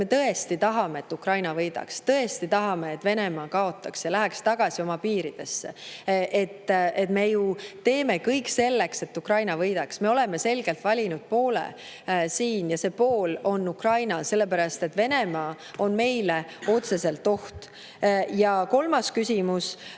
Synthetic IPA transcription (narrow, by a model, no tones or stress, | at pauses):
me̞t̪ɤ̞e̞st̪it̪ɑɦɑme̞et̪ːukrɑjnɑvɤjd̪̥ɑ̰kst̪ɤe̞st̪it̪ɑɦɑme̞et̪ːˑve̞ne̞mɑːkɑo̞t̪ːˑɑksjɑlæɦɛkst̪ɑɡ̥ɑsio̞mɑpiːɾid̪̥e̞sːeʔe̞t̪ːet̪me̞jut̪e̞ːme̞kɤjkse̞lːe̞kse̞t̪ːukrɑjnɑvɤjd̪̥ɑksme̞o̞le̞me̞se̞lɡ̥e̞lt̪vɑlʲinud̪̥̚po̞ːlḛ | siːnjɑse̞ːpo̞ːlo̞nːukrɑjnɑse̞lːe̞pæɾɑst̪e̞t̪ve̞ne̞mɑː | o̞nme̞jleo̞t̪se̞se̞lt̪ːˑo̞ht̪ | jɑko̞lmɑskysʲimus